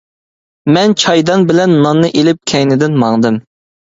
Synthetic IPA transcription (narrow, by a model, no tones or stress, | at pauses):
mɛnt͡ʃʰɑjd̪ɑnbɪlɛnːɑnːɨʔelɪp̚kʲʰɛjnɪd̪ɪnmɑŋd̪ɨm